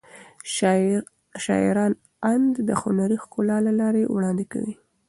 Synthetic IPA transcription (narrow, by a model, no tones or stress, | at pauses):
ʃɑ̰ɪ̰ɾɑn | and̪d̪əxʊnaɾixkolɑlalɑɾewɽɑnd̪ɪka̰wi